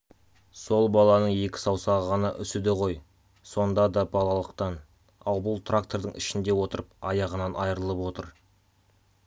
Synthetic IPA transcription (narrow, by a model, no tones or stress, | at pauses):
so̞lˠbɑlˠɑnəɴe̞kʲɪ̥sɑwsɑʁʁɑnɑ̰ʔʏsɪd̪ɪqʰo̞j | so̞nd̪ɑd̪ɑbɑlˠɑlˠəqt̪ɑn | ɑlˠbʊlˠt̪rakt̪o̞ɾd̪əɴʔɪ̰ʃɪnd̪e̞wo̞t̪əɾəpɑjɑʁənɑnɑjəɾəlˠəpwo̞t̪əɾ